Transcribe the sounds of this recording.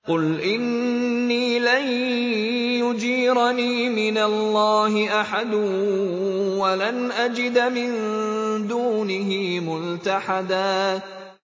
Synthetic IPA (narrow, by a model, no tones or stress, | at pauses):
qʊlʔɪnː | iːlan | jʊd͡ʒiːɾniːmɪnalːɑːɦɪʔaħad̪ʊ | walanʔad͡ʒɪd̪mɪnd̪uːnɪɦɪmʊlt̪aħad̪aː